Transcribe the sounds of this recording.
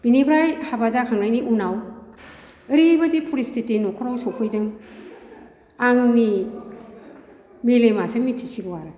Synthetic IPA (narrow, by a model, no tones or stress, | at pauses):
binebɾajhabazakʰaŋɾajniʔunaw | ɯɾibɐdipʰuɾistitenukʰɔɾawsokʰɯjdɯŋ | aŋni | melemasɐmitʰi̥siɡɐwaɾɯ